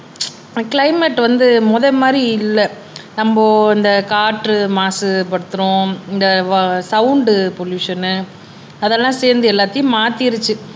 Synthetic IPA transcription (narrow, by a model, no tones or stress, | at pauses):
kɪlɐɪmɛʈːʋɐnd̪ɯmɔðɐmaːd̪ɾiɪlːɛ | nɐmboːɪnd̪ɐkaːʈɾɯmaːsɯpɐɽɯt̪ːɯɾʊ̃ɪnd̪ɐsɐʊʊɳɖɯpɔɭjuːʂɐnːɯ | ɐðɛlːãːseːɾnd̪ɯɛlːaːt̪ːɐjʊ̃maːt̪ɪɪɾɯt͡ʃːɯ